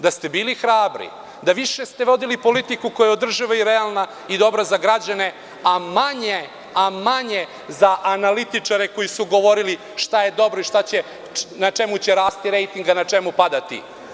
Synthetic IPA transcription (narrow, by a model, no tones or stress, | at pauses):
d̪ast̪e̞biːlixɾaːbɾḭ | d̪aʋiʃest̪e̞ʋo̞d̪ilipo̞lit̪ikukojao̞d̪r̩ʒiʋaiɾealˠna | id̪o̞bɾazaɡɾad͡ʑane̞ | amaɲe | amaɲe | zaʔanalit̪it͡ʂaɾeko̞jisuɡo̞ʋo̞ɾili | ʃt̪aje̞d̪o̞bɾoiʃt̪at͡ɕe | nat͡ʂe̞mut͡ɕeɾaːst̪iɾe̞jt̪iŋɡanat͡ʂemupad̪at̪ḭ